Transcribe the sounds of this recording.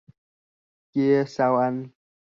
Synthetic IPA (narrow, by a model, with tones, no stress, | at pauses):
ke˦sa˦˧wa˦n